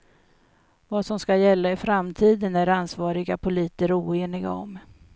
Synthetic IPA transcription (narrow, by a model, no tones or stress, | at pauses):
vasɔmskajɛlːaɪfɾamt̪ʰiːd̪ənæɾansvɑːɾɪɡapʰʊliːt̪əɾuːeːnɪɡa̰ɔ̰m